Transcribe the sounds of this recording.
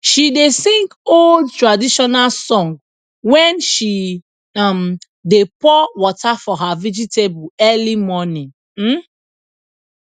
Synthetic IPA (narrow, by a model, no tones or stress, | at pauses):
ʃidesĩŋkoldtɹadiʃɔnalsɔ̃ŋɡ | wɛ̃nʃi | ãm | depɔwɔtafɔɦavid͡ʒitebuɛlimɔnĩŋ̩